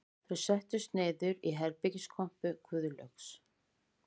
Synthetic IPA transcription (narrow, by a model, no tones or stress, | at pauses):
θœɥsɛht̪ʏst̪neːjðʏɾiɦɛɾpɪciskʰɔm̥pʏkʰʏːðʏlœ̰ks